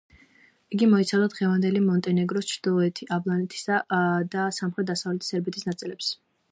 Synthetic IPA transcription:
iɡimɔit̪sʰavd̪ad̪ʁɛvand̪ɛlimɔnt̪ʼɛnɛɡɾɔst͡ʃʰɾd̪ilˠɔɛt̪ʰiʔablˠanɛt̪ʰi̥sad̪asamχɾɛt̪̚d̪asavlɛt̪ʰi̥sɛɾbit̪ʰisnat̪sʼilɛps

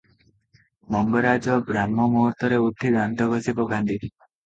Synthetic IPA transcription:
mɔŋɡɔɾad͡ʒɔɡɾamːɔmɔɦɔt̪ɔɾeut̪ʰːid̪ant̪ɔɡʱɔsipɔɡʱãnd̪ʱi

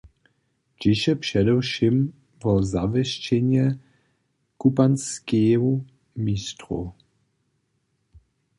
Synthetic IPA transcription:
t͡ʃɪʃɛpʂɛdɛwʃim | vɔzavɛʃt͡ʃɛɲɛ | kupanskɛɦɔ | mist̪ɾṵ

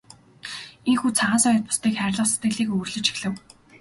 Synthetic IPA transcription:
eŋxuːt͡sʰaʁaːnsɔjə̆t̪̚pʊ̥st̪iːkχæːɾʲɮə̆χse̥t̪ɡɘ̆ɣɮiːkɵːrɮɘ̆t͡ɕi̥xɮɘ̆w

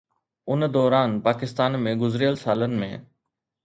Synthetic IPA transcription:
ʊnd̪ɔːɾaːnpaːkɪst̪aːnmẽɡʊzɾijəlsaːlənɪ̆mḛ̃

